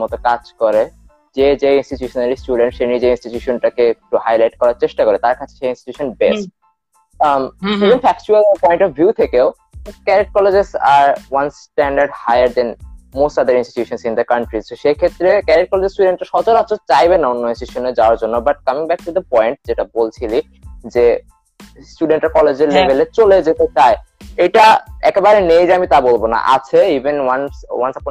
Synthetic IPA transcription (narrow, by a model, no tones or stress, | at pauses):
mɔt̪okad͡ʑkɔɾe | d͡ʑed͡ʑeĩnsʈit͡ɕuʃonalisʈuɖẽɳʈʃenid͡ʑeinsʈit͡ɕuʃonʈakek̚ʈuhajlajʈ̚kɔɾaɾt͡ɕeʃʈakoɾet̪aɾkʰat͡ɕʰe̥ʃeinsʈi̥t͡ɕuʃonbesʈ̚ | ivenfɛk̚t͡ɕualpɔjɳʈɔfvjut̪ʰekeʊ | kɛɾeʈ̚kɔled͡ʑezaɾwansʈɛɳɖaɾɖhajəɾd̪ɛnmosʈad̪əɾinsʈi̥t̪uʃonsĩnd̪əkɐɳʈɾisʃekʰet̪ːɾekɛɾeʈ̚kɔled͡ʑesʈuɖeɳʈaɾʃɔt͡ɕolat͡ɕʰot͡ɕajbenaunːoinsʈiʃoned͡ʑaoaɾd͡ʑonːobaʈ̚kamiŋbɛk̚ʈ̪ud̪əpɔjɳʈ̚d͡ʑeʈabolt͡ɕʰili | d͡ʑe | sʈuɖeɳʈaɾkɔled͡ʑeɾlebʱelet͡ɕoled͡ʑet̪et͡ɕaeejʈaɛkebaɾenejɾeamit̪abolbona̰ʔa̰t͡ɕʰeivenwanswansap